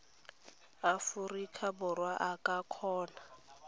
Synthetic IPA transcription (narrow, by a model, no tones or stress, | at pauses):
afurikʰabʊrwaʔakʼakʰɔːna